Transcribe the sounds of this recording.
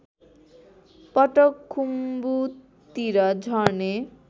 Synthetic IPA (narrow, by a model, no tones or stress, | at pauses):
pɔʈokʰːumbu | t̪iɾʌd͡ʒʱɔne